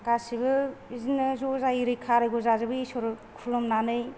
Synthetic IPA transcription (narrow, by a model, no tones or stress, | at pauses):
kasibɯzinɯzɔzaiɾɯjkʰaɾɯɡɔzazɯbɯisɔɾ | kʰulɔmnanɯj